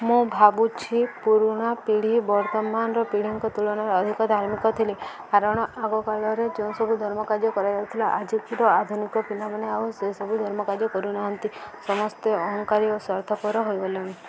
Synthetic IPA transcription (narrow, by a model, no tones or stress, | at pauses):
mũbʱabut͡ʃʰipuɾuɽ̃apiɽ̤ibɔɾt̪ɔmanɾɔpiɽ̤iŋkɔt̪uɭɔɽ̃aɾɔd̪ʱikɔd̪ʱaɾmikɔt̪ʰili | aɾɔɽ̃ɔʔaɡɔkaɭɔɾed͡ʒew̃sɔbʱud̪ʱɔɾmɔkaɾjɔkɔɾad͡ʒaut̪ʰilaʔad͡ʒikiɾɔad̪ʱunikɔpilamaneausesɔbʱud̪ʱɔɾmɔkaɾjɔkɔɾunaɦɔnt̪isɔmɔst̪eɔɦɔŋkaɾiosɔɾt̪ʰɔpɔɾɔɦojboljɔɽ̃i